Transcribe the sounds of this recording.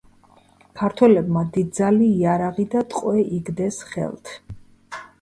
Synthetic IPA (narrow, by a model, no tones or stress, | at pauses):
kʰaɾt̪ʰwɛlɛbmad̪id̪̚d̪zaliːaɾaʁid̪at̪ʼqʼwɛʔiɡd̪ɛsχɛ̰lˠt̪ʰ